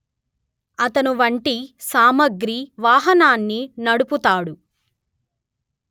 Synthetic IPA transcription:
ɐt̪ɐnuʋɐɳʈisaːmɐɡɾiʋaːɦɐnaːnːinɐɽuput̪aːɽu

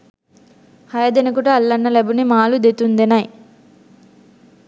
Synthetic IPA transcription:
hɐjɐd̪enikuʈɐɐlːɐnːɐlebunimaːlud̪et̪und̪enɐj

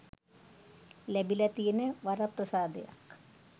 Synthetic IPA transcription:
lebilɐt̪ijinɨʋɐrɐprɐsaːd̪ɐ̰ja̰k

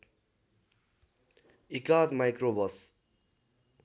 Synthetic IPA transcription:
ikat̪majkrobʌs

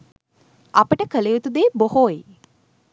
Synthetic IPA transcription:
apəʈəkəlejut̪ud̪eːbohoːe

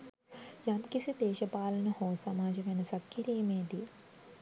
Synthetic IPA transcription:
jɐmkisid̪eːʃɐpaːlɐnɐhoːsɐmaːd͡ʒɐʋɐnɐsɐkʰjɐɾejmeːd̪i

